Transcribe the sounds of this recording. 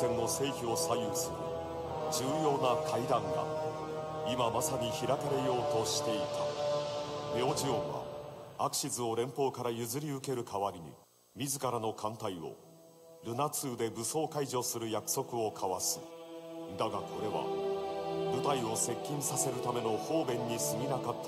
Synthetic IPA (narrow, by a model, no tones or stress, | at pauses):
ẽ̞nːo̞se̞ːçio̞sajɯsɨɾɯ̟̰ | d͡ʑɨːjo̞ːnakʰaid̪ãŋɡa̰ | imamasaɲ̟içiɾakaɾe̞jo̞ːt̪o̞ɕi̥t̪e̞it̪a | me̞oʑiõ̞βa̰akɯ̟̥ɕizɨo̞ɾẽ̞mpo̞ːkaɾajɯ̟zɨɾʲiɯ̟ke̞ɾɯ̟kʰaβaɾʲiɲ̟ḭ | mʲizɨkaɾanokʰãnt̪aio̞̰ | ɾɯ̟nat͡sɨːd̪e̞bɯ̟so̞ːkaiʑo̞ːsɨɾɯ̟jakɯ̥so̞kɯ̟o̞kʰaβasɨ̥ | d̪aɡakʰo̞ɾe̞βa̰ | bɯ̟t̪aio̞se̞kʲːĩɰ̃sase̞ɾɯ̟t̪ame̞no̞ho̞ːbẽ̞ɲ̟ːisɨɡʲinakat̪ʰː